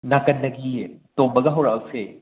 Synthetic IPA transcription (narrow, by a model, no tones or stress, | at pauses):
nakɐnːɐɡitombɐɡɐɦɐwɾawse